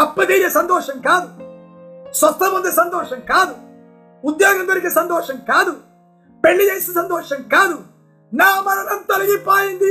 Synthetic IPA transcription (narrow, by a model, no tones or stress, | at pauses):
ɐpːɐd̪iːɾjɐsɐnt̪ɔːʃɐŋkaːd̪u | swɐst̪ːɐmond̪esɐnt̪ɔːʃɐŋkaːd̪u | ud̪jaːɡɐd̪uɾikesɐnd̪ɔːʃɐŋkaːd̪u | peɭːid͡ʒɐjsisɐnd̪oːʃɐŋkaːd̪u | naːmɐɾɐnɐnt̪ɐlɐɡipaːjind̪i